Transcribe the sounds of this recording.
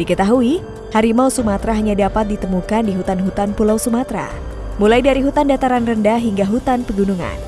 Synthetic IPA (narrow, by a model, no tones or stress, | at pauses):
dikət̪aɦui | haɾimausumat̪ɾaɦaɲadapat̪̚dit̪əmukandiɦut̪anɦut̪anpulawsumat̪ɾa̰ | mulajdaɾiɦut̪andat̪aɾanrəndaɦiŋɡaɦut̪anpəɡunuŋa̰n